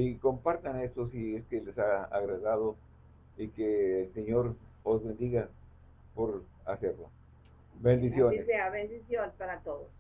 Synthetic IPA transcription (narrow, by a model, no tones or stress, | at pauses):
iko̞mpaɾt̪ane̞st̪osieskelesaa̰ɣɾaðaðo | ikeːlseɲo̞ɾozβe̞nd̪iɣa | po̞ɾ | aseɾlo̰ | bend̪isjo̞neseaβend̪isjonespaɾat̪oðos